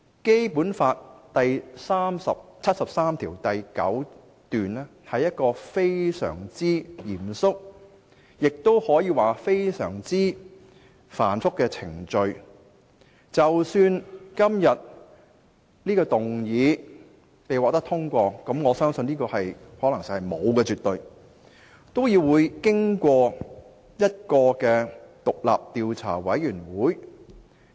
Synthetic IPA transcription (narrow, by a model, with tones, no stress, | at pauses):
ke˥jpuː˨˥nfaː˧t̚t̪ɐ˨jsaː˥msɐ˨p̚t͡sʰɐ˥t̚sɐ˨p̚saː˥mt̪ʰiː˨˩wt̪ɐ˨jkɐ̰˨˥w | t̪yː˨nɛː˥hɐ˨jɐ˥t̚kɔː˧fe˥jsœ̰ː˨˩ŋt͡siː˥jiː˨˩msʊ˥k̚ | jɪ˨k̚t̪o˥whɔː˨˥jiː˨˧waː˨fe˥jsœ̰ː˨˩ŋt͡siː˥ | fa̰ː˨˩nfʊ˥kːɛː˧t͡sʰɪ˨˩ŋt͡ʃɵ˧ɥ | t͡sɐ˨wsyː˧nkɐ˥mjɐ˨t̚ | niː˥kɔː˧t̪ʊ˨ŋjiː˨˧ | pe˨jwɔː˨k̚t̪ɐ˥kt̪ʰʊ˥ŋkʷɔː˧kɐ˨˥mŋɔː˨˧sœː˥ŋsɵ˧niː˥kɔː˧hɐ˨jhɔː˨˥lɐ˨˩ŋsi˨hɐ˨˩jmo˨˧wkɛː˧t͡syː˨t̪ːɵ˧ɥ | t̪o˥wjiː˧wwuː˨˧jkɪ˥ŋkʷɔː˧ | jɐ˥t̚kɔː˧kɛː˧t̪ʊ˨k̚la̰ː˨p̚t̪iː˨˧wt͡sʰa̰ː˨˩wɐ˨˥jɥyː˨˩nwuː˨˥j